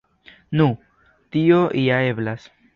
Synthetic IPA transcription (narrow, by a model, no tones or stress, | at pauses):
nũ | tioʔijae̞blas